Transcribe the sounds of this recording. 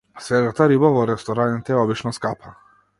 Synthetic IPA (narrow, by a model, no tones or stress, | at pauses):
sɾɛd̪at̪aɾibavɔɾɛst̪ɔɾanit̪ɛɔbit͡ʃnɔskapʰa